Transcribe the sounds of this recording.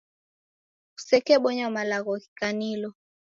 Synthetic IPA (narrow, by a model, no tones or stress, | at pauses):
usɛkɛɓɔɲɔmalaɣɔki̥kanilɔ